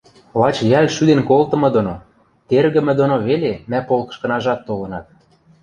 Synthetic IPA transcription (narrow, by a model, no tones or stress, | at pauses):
lɑt͡ɕjælʃyd̪enkolt̪ɤ̆mɤ̆d̪ono | t̪erɣə̆mɘ̆d̪onoβelemæpolkɤ̥̆ʃkɤ̆nɑʒɑt̪ːolɤ̆nɑt̪̚